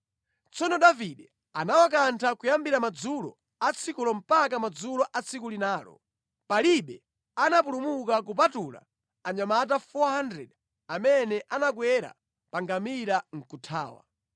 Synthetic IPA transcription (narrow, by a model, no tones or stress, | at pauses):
t͡sʰɔnɔɗaviɗɛ | anawak̬antʰakujambiɾamad͡zulɔ̰ | at͡sʰikulɔm̩pak̬amad͡zulɔʔat͡sʰik̬ulinaːlɔ̰ | paliɓɛ | anap̬ulumukak̬up̬atula̰ | aɲamat̬afɔhandɾɛ̰ɗ | amɛnɛʔanakwɛɾa̰ | paŋɡamiɾaŋ̩kutʰa̰ːwa̰